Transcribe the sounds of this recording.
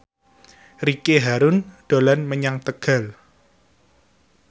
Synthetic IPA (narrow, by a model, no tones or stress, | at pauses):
rikeɦaɾʊnɖ̥olanməɲaŋt̪əɡ̥a̤l